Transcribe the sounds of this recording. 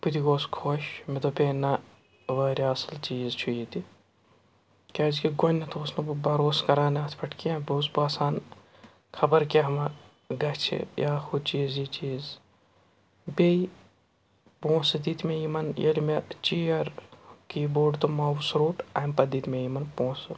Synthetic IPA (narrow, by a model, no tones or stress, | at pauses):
put̪iɡoːskʰoʃmet̪opʲeːnɐ | ʋɐːɾʲiɐslt͡ʃiːzt͡ʃʰujit̪i | kʲad͡ʒkiɡonʲːɐt̪ʰoːsnɐbubɐɾoːskɐɾaːnaːt̪ʰpʰɐʈkiãːboːsbaːsaːn | kʰɐbɐɾkeɦɐmɐ | ɡɐt͡ʃʰḛjaːxud̪t͡ʃiːzit͡ʃiːz | bei | põːsɨd̪iːt̪mejimɐnjɐ̰lʲmet͡ʃijɐɾkiːboːɖt̪omawusɾuːʈɐmpɐd̪iːt̪mejimɐnpõːs